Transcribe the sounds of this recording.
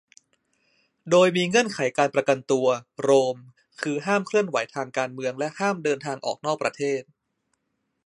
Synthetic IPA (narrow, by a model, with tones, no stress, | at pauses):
doː˧jmiː˧ŋɯ˥˩ənkʰa˩˦jkaː˧npɾa˧ka˧nt̪u˧ɐɾoː˧m | kʰɯː˧ɦaː˥˩mkʰlɯ˥˩ənwa˩˦jt̪ʰaː˧ŋkaː˧nmɯ˧əŋlɛ˦˥ʔhaː˥˩mdɤː˧nt̪ʰaː˧ŋʔɔ̰ː˨˩k̚nɔː˥˩k̚pɾa˧t̪ʰeː˥˩t̪̚